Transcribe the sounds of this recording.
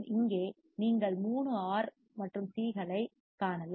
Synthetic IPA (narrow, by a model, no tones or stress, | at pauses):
ɪŋɡeː | niːŋɡɐɭmuːɳɯaːɾ | mɐʈrɯmsiːɣɐɭɐɪ | kaːnɐlː